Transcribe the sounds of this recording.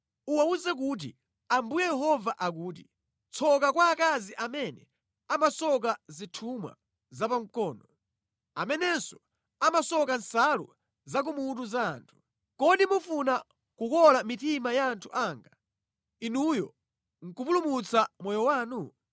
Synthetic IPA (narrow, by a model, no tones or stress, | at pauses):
uwauzɛk̬uːt̬ḭ | ambujɛjɛɦɔvaʔak̬uːt̬ḭ | t͡sʰɔkakwaːkaziʔamɛnɛ̰ | amasɔk̬azitʰumwa̰ | zapaŋkɔːnɔ | amɛnɛnsɔ̥ | amasɔkansalṵ | zak̬umutuza̰ːntʰu̥ | kɔɗimufuna | kukɔlamitimajaːntʰuʔaːŋɡa | inujɔ̰ | ŋ̩kupulumut͡samɔjɔwaːnu